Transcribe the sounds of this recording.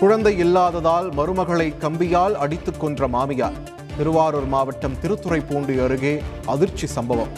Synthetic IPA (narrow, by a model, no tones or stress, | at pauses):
kʊɻɐnd̪ɐɪɪlːaːðɐðaːlmɐɾɯmɐɣɐɭɐɪkːɐmbɪjaːlɐɽɪt̪ːɯkːɔndrɐmaːmɪja̰ːɾ | t̪ɪɾɯʋaːɾoːɾmaːʋɐʈːɐmt̪ɪɾɯt̪ːɯrɐɪpːoːɳɖɯɐɾɯɣeːʔɐðɪɾt͡ʃisɐmbɐʋɐm